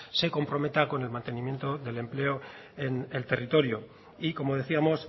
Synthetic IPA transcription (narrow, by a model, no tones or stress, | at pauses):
se̞ko̞mpɾo̞me̞t̪ako̞ne̞lmãnt̪e̞nĩmje̞nt̪o̞ðe̞le̞mple̞o | enelt̪e̞rit̪o̞ɾjo | iko̞mo̞ð̞e̞θiamo̞s